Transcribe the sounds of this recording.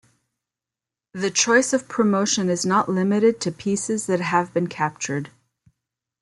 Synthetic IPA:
ðɨt͡ʃʰɔɪsʌv̥pʰɹ̥ɨmoʊʃɨ̃nɨznəʔlɪmɨɾɨd̚tʰɨpʰisɨzðɨt̚ɦəvbɨ̃nkʰæp̚t͡ʃə˞d̥

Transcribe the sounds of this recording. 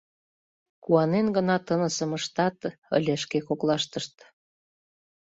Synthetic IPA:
kuɑnenɡə̆nɑt̪ənə̆sə̆məʃt̪ɑt̪ə̰̆lʲĕʃkekoklɑʃt̪əʃt̪

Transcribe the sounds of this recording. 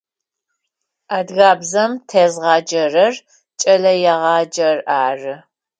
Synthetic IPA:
adɣaːbzɐmtʰeːzʁɑːd͡ʒɐrɐr | t͡ʃʼɐlɐjɛʁɑːd͡ʒɐraːrɨ

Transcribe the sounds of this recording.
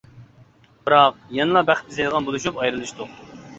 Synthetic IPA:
b̥ɨɾɑq̚jɑnɨlˠɑbæχt̪̚bizɛjd̪əʁɑnbolˠuʃ̬upɑjɾɨlˠɨʃt̪u

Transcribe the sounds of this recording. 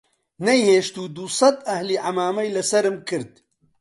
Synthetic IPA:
nɛjheːʃt̪uːd̪usˤɑd̪ɐhliːʕamaːmɐjlɨsɐɾɨmkʰɨɾd̪̚

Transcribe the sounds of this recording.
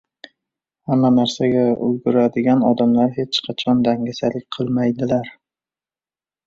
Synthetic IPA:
hamːanaɾsaɡʲaʔʊ̰lɡʊɾad̪ɪɡʲanɒd̪amlaɾhe̞t͡ʃqʰɑt͡ʃʰɒnd̪aŋɡʲasalɪk̚ʲqʰɨlˠmajd̪ɪlaɾ

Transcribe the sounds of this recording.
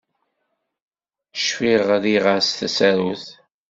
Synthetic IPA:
ʃfiʁðiʁəɾsθæsæɾuθ

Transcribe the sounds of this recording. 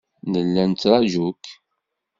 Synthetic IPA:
nəlːænt͡s̪ːɾˤɑʒuk

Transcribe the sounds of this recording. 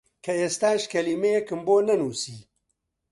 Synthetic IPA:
kʰɐeːst̪aːʃkɐlimejekɨmboːnɐnuːsiː

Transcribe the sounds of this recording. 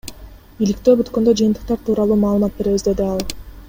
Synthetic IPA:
ilikt̪ø̞ːbyt̪kø̞nd̪ø̞d͡ʒɯjɯnt̪ɯ̥q̚t̪ɑɾt̪ʰuːɾɑlˠuːmɑːlˠɯmɑt̪̚be̞ɾe̞βizd̪e̞d̪iɑlˠ

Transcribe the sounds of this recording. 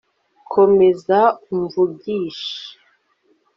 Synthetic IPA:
kʰo̞me̞zauɱvubɟiːʃi̥

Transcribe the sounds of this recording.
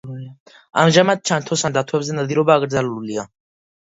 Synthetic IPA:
amʒamad̪̚t͡ʃʰant̪ʰɔsand̪at̪ʰwɛbzɛnad̪iɾɔbaːɡɾd̪zalulia

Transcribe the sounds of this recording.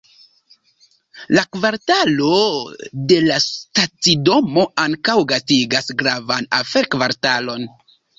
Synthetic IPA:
lakvaɾtalo̞de̞lastat͡sido̞mo̞aŋkawɡastiɡasɡɾavana̰feɾkvaɾtalo̞n

